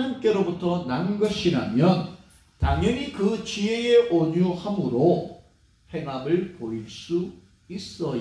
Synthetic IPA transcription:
ɲimk͈e̞ɾobutʰʌnanɡʌɕʰiɾamjʌn | taŋʌɲikɯt͡ɕie̞eʔoɲuhamɯɾo | he̞ŋamɯɭpoiɭs͈u | is͈ʌ

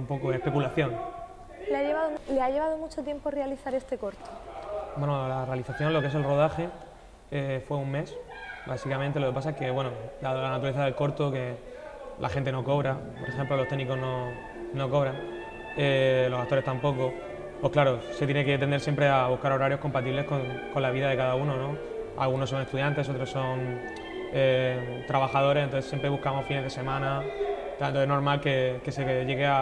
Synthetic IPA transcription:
t̪ampo̞koespe̞kulaθjo̞n | leajeβaðoleaʝe̞βað̞omut͡ʃot̪je̞mporealiθaɾe̞st̪e̞ko̞ɾt̪obwenolarealiθaθjõ̞nlo̞kees̬e̞lro̞ð̞axe̞ | efwe̞uŋme̞sbasikamẽnt̪eloke̞pas̬aeke̞βwe̞nod̪aðlanat̪uɾaleθaðelko̞ɾt̪oke̞ | lʔa̰xent̪̬e̞no̞ko̞βɾapoɾe̞xemplo̞lo̞st̪eɣniko̞ɦno̞ | no̞ko̞β̞ɾaŋ | elo̞sakt̪oɾet̪ampo̞ko | po̞klaɾose̞t̪jene̞ket̪end̪eɾs̬jempɾe̞aβuhkaɾo̞ɾaɾjo̞hko̞mpat̪iβle̞skoŋko̞nlaβiðað̞e̞kaðauno̞no̞ | a̰lɣuno̞s̬ːo̞ŋest̪uðjant̪e̞so̞t̪ɾo̞sːo̞ŋ | et̪ɾaβaxað̞o̞ɾe̞sent̪oθesje̞mpɾeβuhkamo̞fineð̞e̞se̞mãna | t̪at̪oeno̞ɾmalke̞ke̞seʝe̞ɣea

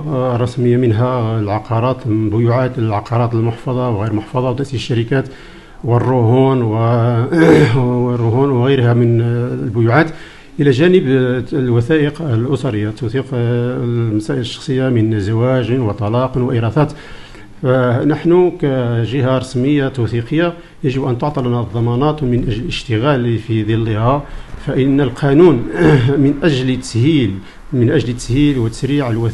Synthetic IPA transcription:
rˤːɑsməjːamənɦælʕɑqɑɾˤɑt̪bʊjuʕat̪əlʕɑqɑɾˤɑt̪əlmʊħfɑd̪ˤɑwɣijɾmʊħfɑd̪ˤɑwt̪æʔsisəʃːæɾəkæt̪ | wərˤːʊhunwə | rːʊɦunwɣijɾhæmənlbʊjuʕat̪ | ʔəlæʒænəblwæθæʔəqəlʔʊsɑɾəjːat̪uθiq | mæsæʔələʃːɑ̥xsˤəjːamənzæwæʒənwət̪ˤɑlɑqnwəʔiɾˤɑθɑt̪ | fænəħnukæʒəhaɾˤɑsməjːat̪uθiqəjːa | jəʒəbʔænt̪oʕt̪ˤɑlnæd̪ˤːɑmɑnɑt̪wmənʔæʒləəʃt̪əɣælfid̪ilːihæfæʔənːəlqʰɑnunmənʔæʒlt̪ːəshil | mənʔæʒlt̪ːəshilwət̪ːə̥sɾiʕəlwæθ

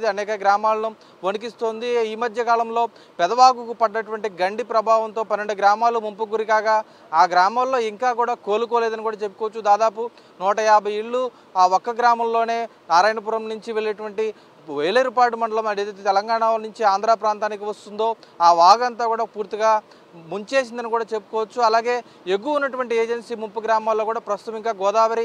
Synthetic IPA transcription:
d̪iɐnɛːkɐɡɾaːmaːlɐnu | ʋonuk̬ist̪oːnd̪iiːmɐd̪ʱjɐkaːlɐmlo̞ː | pɛd̪ɐʋaːɡukupɐɖɐʈʋɐɳʈiɡɐɳɖipɾɐbʱaːʋɐnt̪o̞ːpɐnːeɳɖuɡɾaːmaːlumumpuɡuɾikaːkaː | aːɡɾaːmaːlːo̞ːiŋkaːkuːɽaːko̞ːlukoːleːd̪ɐnikuːɽaːt͡ʃe̞pːu̥kɔʋɐt͡ʃːud̪aːd̪aːpu | nɔːʈɐjaːbʱɐjiɭːu | aːɔkːɐɡɾaːmɐmlo̞ːne̞ːnaːɾaːjnɐp̬uːɾɐmnuɲt͡ʃiʋeɭːɐʈuʋɐɳʈi | ʋeːɭɐɾupaːʈumɐɳɖɐlɐmɐɽeːt̪et̪ːt̪ɛlɐŋɡaːɳanuɲt͡ʃiaːnd̪ɾaːpɾaːnt̪aːnik̬iʋɐst̪und̪o̞ːaːʋaːɡɐnt̪aːkuːɽaːpuːɾt̪iɡaː | muɲt͡ʃe̞ːs̬ind̪ɐnikuːɽaːt͡ʃe̞pːu̥kɔːʋɐt͡ʃːuɐlaːɡe̞ː | eɡːuunːɐʈuʋɐɳʈieːd͡ʒensiːmumpuɡɾaːmaːlːoːkuːɽaːpɾɐst̪u̥t̪ɐmiŋkaːɡɔːd̪aːʋɐɾi

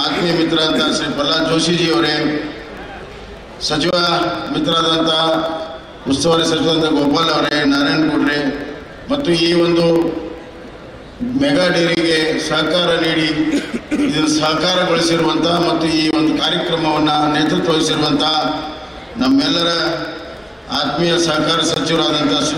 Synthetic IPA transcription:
aːt̪mjɐmit̪ɾaːɐnt̪ɐsɐpɐlːad͡ʒoːʃid͡ʒiːɐʋɾe | sɐt͡ʃiʋamit̪ɾaːd̪ɐnt̪ɐ | ust̪ɐʋaɾesɐt͡ʃiʋɐad̪ɐnt̪ːɐɡoːpaːlɐʋɾenɐɾeːɳɖkuɖɾe | mɐt̪ːuiːʋond̪u | mɛɡaːɖiɾiɡe̞sɐɦkaːɾɐniːɽi | id̪ɐnːusɐɦkaːɾɐɡoɭisiɾuʋɐnt̪ʰɐmɐt̪ːuiːʋond̪ukaːɾjɐkɾɐmɐʋɐnːuneːt̪ɾut̪ːɐʋɐɭisiɾuʋɐnt̪ɐ | nɐmːɛlːɐɾɐ | a̰ːt̪mijɐsɐɦkaːɾɐɐsɐt͡ʃiʋɐɾaːd̪ɐnt̪ʰɐ

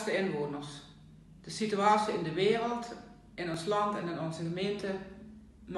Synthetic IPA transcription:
stəɪnʋoːnərs | d̥əsityaːsiɪndəʋeːrəlˠt | ʔɪnɔnslɑntɛnɪnɔnzəɣəmeːntə | n

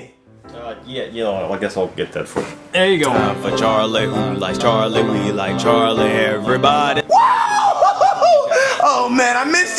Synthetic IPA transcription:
ajæjɛaɪɡɛsaɪlˠɡɛt̪̚ðɨ̰tfə̰˞ðɛjɨɡoʊɪ̃nævɨt͡ʃʰɑɹlihulaɪk̚t͡ʃʰɑɹliwilaɪk̚t͡ʃʰɑɹliɛvɹibɑɾiwa | oʊmæ̃naɪmɪs

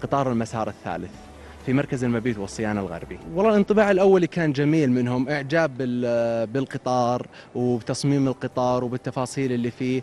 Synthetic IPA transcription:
qɨt̪ˤɑːɾˤɪlmasɑ̰ːɾˤɪθːa̰ːlɪθ | fimɑɾkazɪlmabiːt̪wɨsˤːɨjaːnalɣɑ̰ɾˤbiwɑlˤːɑːlʔɪnt̪ˤɨbaːʕɪlʔawːalikaːnd͡ʒamiːlmɪnɦʊmʔɪʕd͡ʒaːbɪɪlqɨt̪ˤɑːɾˤ | wbt̪ɑsˤmiːmɪlqɨt̪ˤɑːɾˤwbɪt̪ːɑfɑːsˤiːlɪlːifiː

